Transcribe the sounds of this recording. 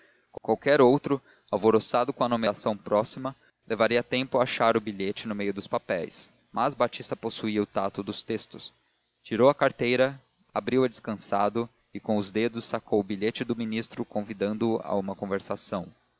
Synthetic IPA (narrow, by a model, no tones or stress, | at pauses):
kkwawkɛɾowt̪ɾʊ | awvoɾosad̪ʊkõɐanomeasɐ̃w̃pɾɔsimɐ | lʔevaɾiɐt̪ẽmpʊaaʃaɾʊbiʎet͡ʃɪnʊmejʊd̪ʊspapɛjs | mʔazbat͡ʃist̪ɐposuiɐʊt̪at̪ʊd̪ʊst̪est̪ʊs | t͡ʃiɾowɐkaɾt̪ejɾɐ | abɾiwɐd͡ʒiskɐ̃sad̪ʊ | ɪkõw̃ʊzd̪ed̪ʊsːakʰowʊbiʎet͡ʃɪd̪ʊminist̪ɾʊkõvid̪ɐ̃nd̪ʊa̰ũmɐkõveɾsasɐ̃w̃